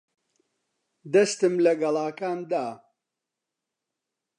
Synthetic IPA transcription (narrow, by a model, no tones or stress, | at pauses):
d̪ɐst̪ɨmlɐɡɐlˠaːkaːnd̪aː